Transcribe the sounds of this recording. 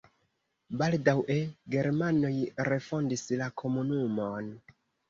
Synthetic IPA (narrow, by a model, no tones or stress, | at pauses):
baldawʔe̞ɡe̞ɾmano̞jɾe̞fo̞ndislakʰo̞munumo̞n